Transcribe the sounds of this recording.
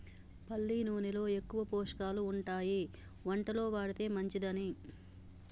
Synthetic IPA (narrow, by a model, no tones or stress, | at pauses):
pɐlːiːnuːnilo̞ːe̞kːuʋɐpoːʂɐ̥kaːluːɳʈaːji | ʋɐɳʈɐlo̞ːʋaːɽit̪e̞ːmɐɲt͡ʃid̪ɐni